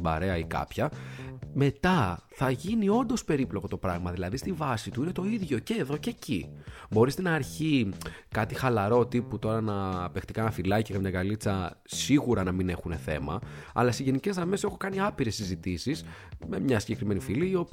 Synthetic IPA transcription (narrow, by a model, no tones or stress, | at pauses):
bɐ̰ɾe̞ɐikɐ̰pçɐme̞t̪ɐθɐʝinio̞nd̪o̞spe̞ɾiplo̞ko̞t̪opɾɐɣmɐðilɐðist̪ivɐsit̪uine̞t̪o̞iðʝo̞ce̞ːðo̞ce̞cibo̞ɾist̪enɐːɾçikɐt̪ixɐlɐɾo̞t̪iput̪o̞ɾɐnɐpext̪ikɐnɐfilɐceɣɐmɲɐɡɐlit͡sɐsiɣuɾɐnɐmine̞xune̞θe̞̰mɐ̰ɐ̰lɐseʝe̞nice̞zðɐme̞se̞xo̞kɐniɐpiɾe̞sːizit̪isisme̞mɲɐsiɲɟe̞kɾime̞nifiliio̞p